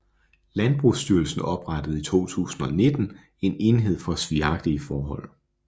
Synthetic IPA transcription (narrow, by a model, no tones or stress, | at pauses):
lænb̥ʁusd̥yɐlsn̩ɒ̽b̥ʁɑd̥əð̞̩ˠit͡sʰo̝̰ːt͡sʰṵːsn̩ɒ̽ne̝d̥n̩ | e̝ne̝nɦe̝ð̰ˠfɒ̽sʋiɑ̈ɡ̥̚d̥iifɒːɦɒ̽l̰